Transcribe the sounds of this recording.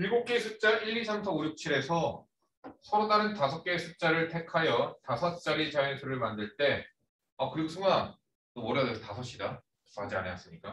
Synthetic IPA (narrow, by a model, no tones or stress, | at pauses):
miɭɡuk̚k͈esʰut͡ɕ͈aʔiʎːisʰamtʰʌojuk̚t͡ɕʰiɾe̞sʰʌ | sʰʌɾodaɾɯntasʰʌp̚k͈e̞sʰut͡ɕ͈aɾɯɭtʰe̞kʰajʌtasʰʌt͡ɕ͈aɾit͡ɕainsʰɯɾɯɭmandɯɭt͈e̞ | ʌkɯɾiɡosʰɯŋa | omoɾadɯtasʰʌɕ͈ida | ad͡ʑia̰newas͈ɯɲik͈a